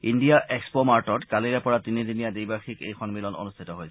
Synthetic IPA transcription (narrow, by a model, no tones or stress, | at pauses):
indijaʔekspomaɹtɔtkaliɹɛpɔɹatinidinijadijbaxikḛjxɔnmilɔno̰nust̪ʰitɔɦojsɛ